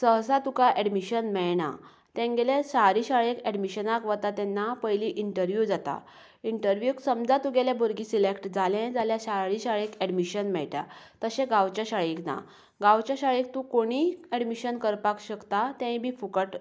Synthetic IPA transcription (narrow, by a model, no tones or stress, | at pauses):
səɦsat̪ukaʔɛɽmiɕənmɛɭna̰ | t̪ɛ̃ŋɡeleɕaɾiɕaɭekɛɽmiɕənakʋət̪at̪ɛnːapəjliʔiɳʈəɾʋjud͡zat̪a̰ | iɳʈəɾʋjuksəmd͡zat̪uɡɛljaboɾɡiːsilekʈd͡zʱalẽd͡zaljaɕaɭiɕaɭekɛɽmiɕənmɛɭʈja̰t̪əɕẽɡawt͡ɕaɕaɭikna̰ | ɡawt͡ɕjaɕaɭek̚t̪ũkoɽ̃iːɛɽmiɕənkəɾpakɕəkt̪at̪ɛ̃bʱiːfukəʈ